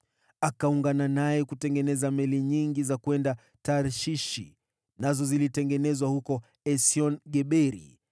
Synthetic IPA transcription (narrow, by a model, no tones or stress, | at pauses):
akauŋɡananajɛkutɛŋɡɛnɛzamɛliɲiŋɡizakuɛnda | taɾʃiʃḭ | nazɔzilitɛŋɡɛnɛzwahukɔ | ɛsiɔnɡɛɓɛɾḭ